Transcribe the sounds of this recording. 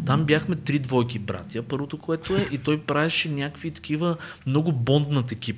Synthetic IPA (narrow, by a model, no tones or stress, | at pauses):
t̪ambjaxmɛt̪ɾid̪vɔjk̬ibɾa̰t̪jəpɤɾvot̪okoɛt̪oɛʔit̪ɔjpɾaɛʃɛnʲakvit̪ɐ̥kʲivəmnɔɡʊbɔnd̪nət̪ɐɛk̟ʲip